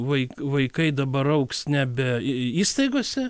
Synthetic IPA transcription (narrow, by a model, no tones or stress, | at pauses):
ʋɐɪkʋɐɪkɐɪd̪ɐbɐɾɐʊksnʲɛbʲɛiːst̪ɐɪɡoːsʲɛ